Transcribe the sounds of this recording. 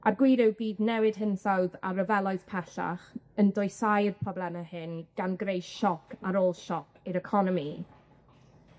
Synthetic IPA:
ʔarɡwɪːɾɪwbiːðnɛwɨd̥ɦɪnsawða̰rəvɛlˠɔɨspʰɛɬa̰χəndɔjsajrpʰrɔblɛnəhɪnɡ̥anɡrejʃɔkʰaɾoːlˠʃɔkʰɪɾəkʰɔnɔmi

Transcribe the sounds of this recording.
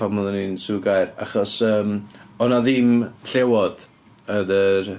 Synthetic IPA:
amɔðəninsuɡajɾa̰χɔsəːmɔnɔðɪmɬɛwɔd̥ | ənər

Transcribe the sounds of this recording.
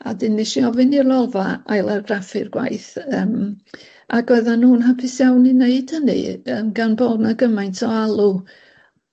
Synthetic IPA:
a̰dɪnːɪʃiɔvɨnirlɔlˠvaajlˠɛrrafɨrɡwa̰jθəːm | ʔaɡɛðanuːnɦapʰɪsjawnineɨd̥hənɨ̰ənɡanboːdnaɡəmajntʰɔalˠu

